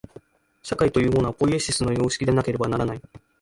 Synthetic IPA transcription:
ɕakait̪o̞jɯ̟ːɦo̞ːnapo̞ieɕisɨno̞jo̞ːɕi̥kʲid̪e̞nake̞ɾe̞banaɾanai

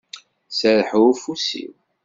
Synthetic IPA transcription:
səɾħfusḭw

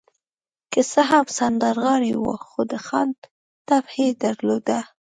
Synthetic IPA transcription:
kəsəɦamsand̪aɾɣɑɽiwə̰xod̪əxand̪ | t̪abhed̪aɾlod̪a

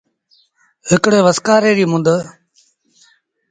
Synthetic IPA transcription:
ɦɪkɽeːʋəskaːɾeːɾiːmʊ̃nd̪eː

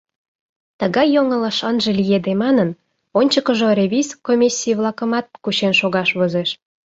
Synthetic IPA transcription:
t̪əɣɑjːoŋə̆ləʃənʒĕlijed̪emɑnən | onʲt͡ɕəkə̆ʒorʲeβʲizkomʲisʲːijəβlˠɑkə̆mɑt̪̚kuɕenʃoɣɑʃβozeʃ

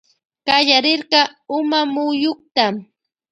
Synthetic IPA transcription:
kaʎaɾɪɾɢɑʊmamʊjoχt̪am

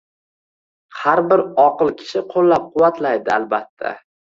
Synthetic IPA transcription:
haɾbɪɾɒqɨlˠkʲʰɪ̥ʃɪqʰolːap̚qʰʊwːat̪ʰlajd̪ɪa̰lbat̪ʰːa̰

